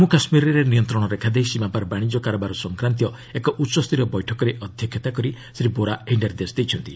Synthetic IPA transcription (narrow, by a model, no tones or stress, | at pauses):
mũkasmiɾiɾenijɔnt̪ɾɔɽ̃ɔɾekʰad̪ejsimapaɾbaɽ̃id͡ʒɔkaɾɔbaɾɔsɔŋkɾant̪̬jɔ | ekɔʔutːsɔst̪ʰiɾɔbɔjʈʰɔkɔɾeʔɔd̪ʱjɔkʰːjɔt̪akɔɾi | sɾiboɾaeɳɖeɾd̪esd̪ejt͡ʃʰɔnt̪i